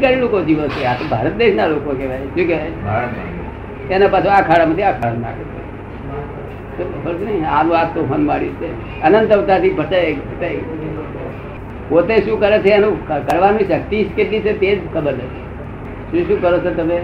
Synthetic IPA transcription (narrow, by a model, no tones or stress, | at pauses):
kaɾilokod͡ʒiʋot͡ʃʰeat̪obʱa̰ɾət̪̚d̪eʃnalokokeʋajʃũkeaj | enapat͡ʃʰoakʰaɽamat̪ʰiakʰaɽanna̰ketʰḛ | t̪obəld͡ʒnəianũap̚t̪oɦənmaɽjũt͡ʃʰe | ənənt̪əʋt̪at̪ibʱəʈaekbʱəʈae | pot̪eʃũkəɾet͡ʃʰeːnũkəɾʋanũʃək̚t̪ikeʈlit͡ʃʰet̪ed͡ʒkʰəbəɾnəke | ʃũʃũkəɾot͡ʃʰot̪əmẽ